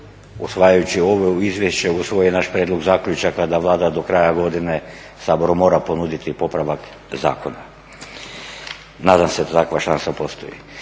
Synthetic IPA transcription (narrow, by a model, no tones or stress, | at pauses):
ṵsʋajajut͡ɕio̞ʋeuizʋjeʃt͡ɕeusʋo̞jenaʃpɾeːd̪loɡzaːkʎʲut͡ʃakad̪aʋlˠaːd̪ad̪o̞kɾajaɡo̞d̪ine | saːbo̞ɾumo̞ːɾapo̞nud̪it̪ipo̞pɾaʋak | za̰ːko̞na | naːd̪amsed̪at̪akʋaʃansapo̞st̪ojḭ